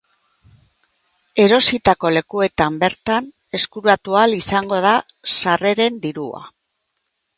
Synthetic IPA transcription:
e̞ɾo̞sit̪ako̞le̞kue̞t̪ambe̞ɾt̪an | e̞skuɾat̪ualisaŋɡo̞ð̞asare̞ɾe̞nd̪iɾua̰

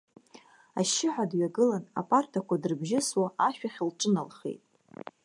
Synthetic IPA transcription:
aʃːɪħʷadɥaɡɨlana̰pʼartʰakʷʰadɨrbʒɪswaaʃᶣaχʲlʈ͡ʂʼɨnalχḛjtʼ

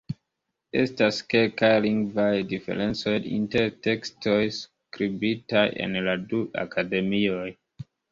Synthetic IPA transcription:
e̞̰staskekajliŋɡvajdifḛɾe̞nt͡so̞jḭnteɾte̞kstojs | kɾibitajḛnladua̰kʰade̞mioj

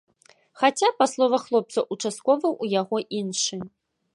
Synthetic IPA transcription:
xat͡sʲapaslˠɔvɐxlˠɔp̚t̪sɐʔut͡ʂast̪̚kɔvɨwʔujaɣɔʔinʂɨ

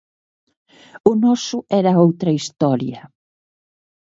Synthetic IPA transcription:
ʊnɔsʊɛɾɐowt̪ɾɐist̪ɔɾjɐ

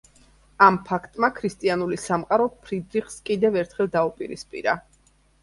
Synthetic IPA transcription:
ampʰakʰt̪ʼmakʰɾist̪ʼianulisamqʼaɾɔpʰɾid̪ɾiχskʼid̪ɛvɛɾt̪ʰχɛlˠd̪aupʼiɾḭspʼḭɾa

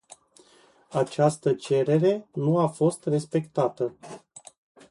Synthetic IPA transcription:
at͡ʃast̪ət͡ʃe̞ɾe̞ɾe̞nuafo̞st̪re̞spe̞kt̪at̪ə

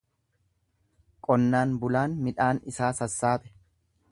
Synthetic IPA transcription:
kʼɔnːaːnbʊlaːnmɪᶑaːnɪsaːsɐsːaːpʼɛ̥

